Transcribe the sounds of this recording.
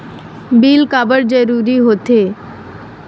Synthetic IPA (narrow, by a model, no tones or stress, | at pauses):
biːlkaːbəɾd͡ʒəɾuːɾiɦoːt̪eː